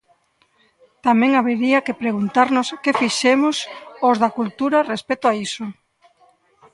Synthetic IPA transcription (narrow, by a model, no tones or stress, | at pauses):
t̪amɛ̃ŋaβeɾiɐkepɾeɣ̞unt̪aɾnʊskefiʃemʊsozðakult̪uɾarespet̪oaiso